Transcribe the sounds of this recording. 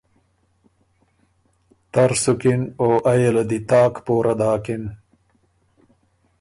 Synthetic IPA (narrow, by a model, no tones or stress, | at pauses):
t̪ɐɾsukinoːʔɐjelad̪it̪aːkpoːɾʔɐd̪aːkin